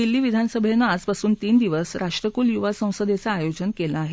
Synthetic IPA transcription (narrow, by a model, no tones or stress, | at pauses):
d̪ilːiːʋid̪ʱansəbʱenːaːd͡zpasuːnt̪iːnd̪iʋəsɾʔaʂʈɾəkuːljuʋasə̃w̃səd̪et͡saːjod͡ʑənkelaːɦe